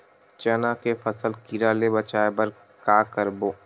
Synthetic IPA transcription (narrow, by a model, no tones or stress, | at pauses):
t͡ʃɐnãkefəsəlkiɾaːlebɐt͡ʃaːebəɾ | kaːkəɾboː